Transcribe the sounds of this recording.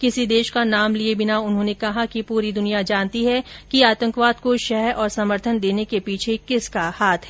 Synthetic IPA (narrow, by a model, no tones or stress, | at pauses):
kɪsid̪eːʃkanaːmliebɪnaʊnɦõːnekɐɦakipuːɾid̪ʊnijad͡ʒaːnt̪iɦɛkiaːt̪ə̃ŋkʋaːd̪̚koʃɛɦɛɾʔɔːɾsɐməɾt̪ʰənd̪eːnekepiːt͡ʃʰekɪskahaːt̪ʰɦɛ